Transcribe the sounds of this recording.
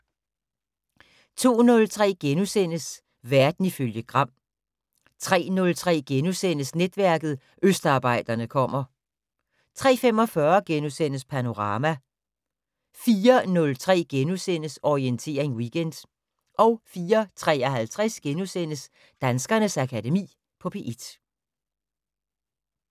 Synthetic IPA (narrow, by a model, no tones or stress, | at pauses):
t͡sʰo̝̰ːnɔ̽lt͡sʰʁɛ̰ːɡ̥enusen̰əs | ʋæɐd̥n̩iføljəɡ̥ʁɑ̈m̰ | t͡sʰʁɛ̰ːnɔ̽lt͡sʰʁɛ̰ːɡ̥enusen̰əsned̥ʋæɐɡ̥ð̞̩ˠ | ʔøsd̥ɑ̈ːb̥ɑ̈ɪ̰d̥ɐnəkʰɒ̽m̰ɐ | t͡sʰʁɛ̰ːfemɒ̽fɶːɐɡ̥enusen̰əspʰæno̝ʁɑ̈ːmæ | fiːɐnɔ̽lt͡sʰʁɛ̰ːɡ̥enusen̰əsɒient͡sʰe̝̰ːɐʁeŋwiɡ̥end̥ | ʔɒ̽ʊfiːɐt͡sʰʁɛ̰ːɒɦælt͡sʰʁɛsɡ̥enusen̰əs | d̥ænsɡ̥ɐnəsækʰædemḭː | pʰɒ̽pʰe̝ʔed̥